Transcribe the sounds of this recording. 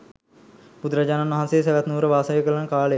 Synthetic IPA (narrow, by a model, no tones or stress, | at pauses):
pud̪ɾad͡ʒaːnanʋɐɦãnseːs̬eʋat̪nuːɾəʋaːsəʋekələnəkaːle